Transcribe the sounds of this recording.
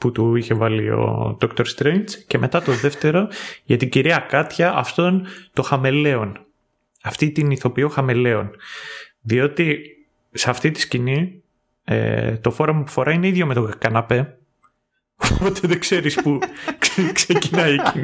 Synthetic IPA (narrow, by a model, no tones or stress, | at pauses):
put̪uiçe̞vɐlio̞̰ðokt̪o̞ɾst̪ɾejnt͡sce̞me̞t̪ɐt̪o̞ðe̞ft̪e̞ɾo̞ʝɐt̪iɟiɾiɐkɐt̪çɐʔɐft̪ont̪o̞xɐme̞le̞o̞n | ɐft̪it̪iniθo̞pioxɐmele̞o̞n | ðio̞t̪i | sɐft̪it̪i̥scini | ḛt̪o̞fo̞ɾɐmɐpu̥fo̞ɾɐineiðʝo̞met̪okɐnɐpe̞ | opo̞t̪eðeɡse̞ɾispu | kse̞cinɐieci